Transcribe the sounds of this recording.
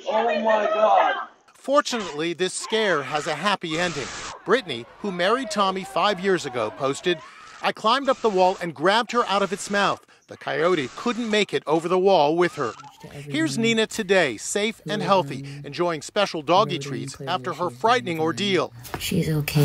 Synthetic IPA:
oʊlĩwʌnɨɡɔ | fɔɹt͡ʃɨnətˡliðɪskɛɹɨzɨɦæpiɛ̃ndɪ̃ŋb̥ɹɪʔnḭhumɛɹid̚tʰɑmifaɪvjɪɹzɨɡoʊpʰoʊstɨd | ʔaɪkʰl̥ãɪ̃mdʌp̚ðəwɔlˠɨ̃nɡɹæb̚d̚ə˞ʔaʊɾʌvɨtsmaʊθ | ðɨkʰaɪoʊɾikʰʊdⁿn̩meɪkɨɾoʊvə˞ðəwɔlˠwɪð̥ə̰˞hɪɹzninɨtʰɨdeɪseɪfɨ̃nɦɛlˠθiɨ̃nd͡ʒɔɪɪ̃ŋspɛʃl̩ˠdɔɡitʰɹ̥ḭzæftə˞ə˞fɹaɪʔnɪ̃ŋə˞dilˠʃizoʊkʰe

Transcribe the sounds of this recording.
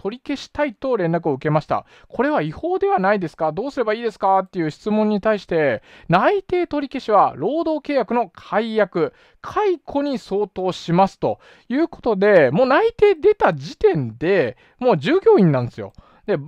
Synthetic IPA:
t̪ʰo̞ɾʲike̞ɕi̥t̪ait̪o̞ɾẽ̞nɾak̬ɯ̟o̞ɯ̟ke̞maɕi̥t̪a̰ | kʰo̞ɾe̞β̞aiho̞ːd̪e̞β̞anaid̪e̞sɨ̥kad̪o̞ːsɨɾe̞baiːd̪e̞sɨ̥kat̪ːe̞jɯ̟ːɕi̥t͡sɨmõɲ̟ːit̪aiɕi̥t̪e̞nait̪e̞ːt̪o̞ɾʲike̞ɕiβ̞aɾo̞ːd̪o̞ːke̞ːjakɯ̟no̞kʰaijakɯ̟ | kʰaikʰo̞ɲ̟iso̞ːt̪o̞ːɕimasɨ̥t̪o̞ | jɯ̟ːko̞̥t̪o̞d̪e̞mo̞ːnait̪e̞ːd̪e̞t̪ad͡ʑit̪ẽ̞nd̪e̞ | mo̞ːd͡ʑɨːɡʲo̞ːĩnːãnd̪e̞sɨjo̞̰ | d̪e̞

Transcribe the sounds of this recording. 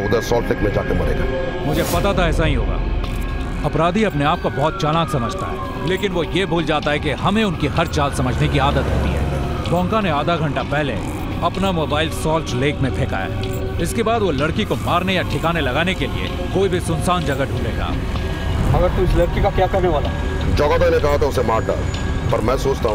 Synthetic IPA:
ʊd̪əɾsɔːlʈlekmẽd͡ʒa̰ːkemɐ̰nḛːɡa̰ːmʊd͡ʒʱepɐt̪at̪ʰaɛːsaɦĩɦo̰ːɡa̰ː | ɐpɾaːd̪ʱiɐpneaːp̚kobɔːt̪̚t͡ʃaːlãːksɐməd͡ʒʱt̪a̰ɦɛ̰ː | leːkɪnʋojebʱuːld͡ʒaːt̪aɦɛkeɦɐmẽʊnkiɦɐɾt͡ʃaːlsɐməd͡ʒʱnekiaːd̪ət̪ɦo̰ːt̪ḭɦɛ̰ːbɔ̃ːŋkaneaːd̪ʱaɡʱɐ̃ɳʈapɛɦle | ɐpnamoːbaːɪlsɔːlt͡ʃleːkmẽpʰeːka̰ːja̰ɦ | ɪskebaːd̪ʋolɐɽkikomaːɾnejaʈʰɪkaːnelɐɡaːnekelḭḛ | koːibʱisʊnsaːnd͡ʒɐɡaɖʱũːleːɡa̰ː | ɐɡəɾt̪uɪslɐɾkikakjaːkɐɾneʋaːlaː | d͡ʒɔɡad̪anẽkɐɦat̪ɛʊsemaːɾ̚ɖa̰ːl | pɐɾmɛ̃ːsoːt͡ʃt̪aɦ

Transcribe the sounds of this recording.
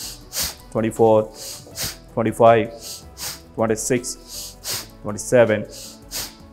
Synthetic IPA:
ʈwɛ̃ɳʈifɔːɾ | ʈʰwɛ̃ɳʈifaɪʋ | ʈʰwɛ̃ɳʈisɪks | ʈʰwɛ̃ɳʈisɛʋɛ̃n

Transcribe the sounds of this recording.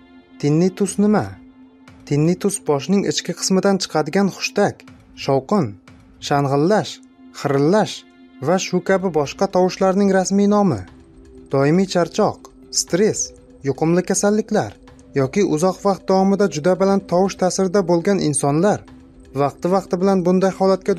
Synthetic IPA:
t̪ʰɪnːɪt̪ʰʊsnɪma | t̪ʰɪnːɪt̪ʰʊsbɒʃ̬nɪŋɪt͡ʃkʲɪqʰɨ̥smɪd̪ant͡ʃʰɨ̥qʰɑd̪ɪɡʲanχʊ̥ʃt̪akʲ | ʃɒwqɨn | ʃanʁɨlːaʃ | χɨɾɪlːaʃ | vaʃʊkʲʰabɪbɒʃqɑt̪ʰɒwɪʃlaɾnɪŋɾasmijnɒmɪ | d̪̥ɒɪmijt͡ʃʰaɾt͡ʃʰɒq | st̪ɾe̞s | jʊqʰʊmlɪkʲʰasalːɪkʲlaɾ | jɒkʲɪʔʊzɒqvɑq̚t̪̚d̪awɒmɪd̪ad͡ʒʊd̪abɪlant̪ʰɒwɪʃt̪ʰasɪɾɪd̪abolˠɡʲanɪnsɒnlaɾ | vɑqt̪ʰɪvɑqt̪ɪbɪlanbʊnd̪ajhɒlat̪̚kʲa

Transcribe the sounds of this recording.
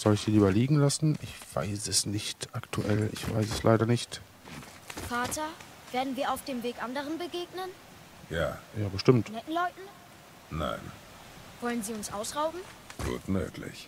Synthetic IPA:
z̥ɔlɪçsiːliːbɐliːɡŋ̩lasn̩ʔɪçv̥a̰ɪsɛsnɪçtʔaktʰuʔɛlɪ̰çv̥a̰ɪsɛslʔa̰ɪɾɐnɪçt | faːtɐ | v̥eːɐdn̩viːɐaʊfd̥eːmveːkʔandəʁənbəɡeːɡnən | jaːjaːbəʃtɪmtnɛtn̩lɔʏtn̩ | na̰ɪn | v̥ɔlənziːʊnsʔaʊsʁaʊbm̩ɡ̥ṵːtmø̰ːkʰlɪ̰ç

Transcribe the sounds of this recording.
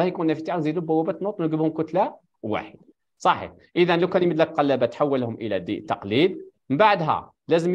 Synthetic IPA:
æhjkunːæfit̪aʕzid̪ubæwːæbæt̪nut̪ˤwnɡəbhʊmkʊt̪læ | wa̰ħəd̪̥̚ | sˤɑħḭħ | ʔəðænlæwkænjməd̪ləkqɑlːæbæt̪ħawːəlhʊmʔəlæ̰d̪ḭt̪ːɑqlid̪məmbaʕd̪ɦæ̰ | læzəm

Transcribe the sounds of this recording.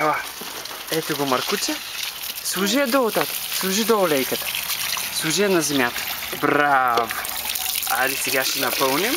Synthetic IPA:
ɛla | ɛt̪oɡomɐɾkut͡ʃɛ | slˠuʒijɐd̪oot̪at̪ə̥slˠuʒid̪oːlɛjkət̪ə̥slˠuʒijɐnɐzɛmjat̪ə̥ | bɾavo | a̰ɾisɛɡaʃɛnɐpɤlˠnim

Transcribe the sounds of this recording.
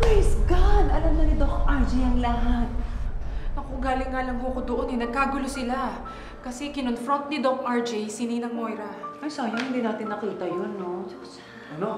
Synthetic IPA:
pɹejsɡad̪ɐlamnɐnɪt̪okoŋʔaɹd͡ʒijɐŋlɐɦat̪̚ | nɐkoŋɡaːlɪŋːaːlɐŋɦokod̪oʔonɛnɐɡ̚kaːɡʊlosɪla | kɐsɛɡɪnonfɾont̪̚nɪd̪okʔɐɹd͡ʒijsininɐŋmo̞jɾɐʔɐjsaːjɐnhɪnd̪iːnaːt̪ɪnːɐkiːt̪ɐjonːod͡ʒɐs | ʔɐno

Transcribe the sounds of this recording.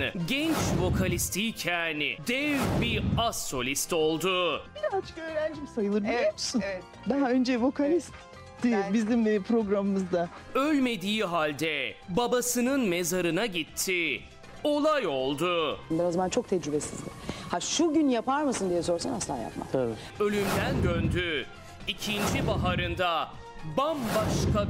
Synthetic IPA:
ɟɛnt͡ʃvo̞kʰalʲist̪ʰiːcʰænɪ̰d̪ɛvbiasːo̞lʲist̪o̞lˠd̪ʊbiɾat͡ʃkøːɾænd͡ʒimisajɯlˠɯɾbimsun | d̪aɦaønd͡ʒɛvo̞kalʲist̪ | d̪̥iɛbizimpʰɾo̞ɡɾamɯmɯzd̪a | ølʲme̞d̪iːɦalʲd̪ɛbabasɯnɯnmezaɾɯnaɟit̪ʰːi | o̞lˠajo̞lˠd̪ʊbɛazamant͡ʃʰo̞k̚t̪ʰɛd͡ʒɾybesḭzd̪ɪ̰haʃuɟynjapaɾmasɯnd̪ijɛso̞ɾsanaslˠaa̰ja̰pma̰k̪ʰabi | ø̞lʲymd̪ænd̪ønd̪y | icʰind͡ʒibaɦaɾɯnd̪a | bambaʃkʰa

